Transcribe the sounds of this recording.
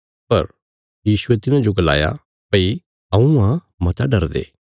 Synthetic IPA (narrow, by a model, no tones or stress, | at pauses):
pɐɾ | jiːsʊet̪ɪnãd͡ʒoɡɐla̰ːja̰ | pɐi | ɐũã | mɐt̪ʰaɖɐɾd̪ḛː